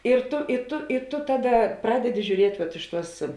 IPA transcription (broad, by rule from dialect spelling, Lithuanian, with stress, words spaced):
ɪr ˈtʊ ɪ ˈtʊ ɪ ˈtʊ ˈtɑːˌdɐ ˈprɑːdʲɛdʲɪ ʒʲuːˈrʲiɛtʲ ʋɐt ˈɪʃ ˌtuɔs